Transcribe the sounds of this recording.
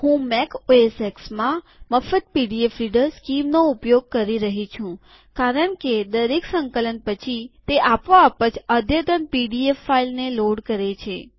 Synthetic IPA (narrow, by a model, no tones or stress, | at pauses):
hũmekoeseksmã | məfət̪̚piɖiefɾiɖəɾskimnoupjoɡ̚kəɾiɾəɦit͡ʃʰũ | kaɾəɳked̪əɾeksə̃ŋkələnpət͡ʃʰit̪eʔapʋaːpəd͡ʒəd̪ʱjət̪ənpiɖiefːailneloɽkəɾet͡ʃʰe